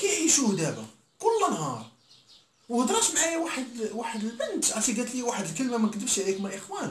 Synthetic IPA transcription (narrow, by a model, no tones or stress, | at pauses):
kiħiʃuhd̪æbæ̰ | kʊlːænɦɑɾˤ | whəd̪ɾˤɑtmʕajawaħəd̪waħəd̪əlbənt̪ʕæt̪iɡæt̪liwaħəd̪əlkəlmamænkəd̪əbʃʕlikməlʔəxwæn